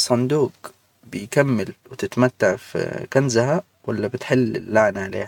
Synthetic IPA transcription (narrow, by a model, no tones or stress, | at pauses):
sˤːɑnd̪uːq | bɪjkamːɪlwɪt̪ɪt̪mat̪ːaʕfḭkanzaha | walːabɪt̪ħɪlːɪ̰lːaʕnaʕalḛːha